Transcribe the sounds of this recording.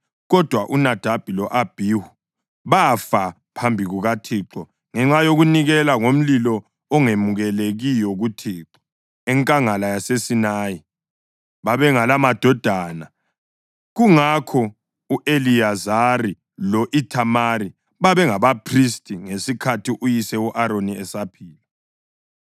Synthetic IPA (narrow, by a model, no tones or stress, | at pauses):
ɣɔd̥ʱwaʔunad̥ʱab̥ʱilɔʔab̥ʱihu | βafa | pʰambʱiɣuɣatʰiːǁɔ | ŋɛŋ͡ǁajoɣuniɣɛlaŋom̩lilɔ | ɔŋemuɣɛleɣijɔɣutʰiːǁɔ̥ | ɛŋkʼaŋalajasesinaːji | βaβɛŋalamad̥ʱɔd̥ʱaːna | ɣuŋakʰɔ | uʔeliazari | lɔʔitʰamaɾi | βaβɛŋaβapʰristʼiŋesikʰatʰiʔujisɛuʔaɾoniɛsapʰiːla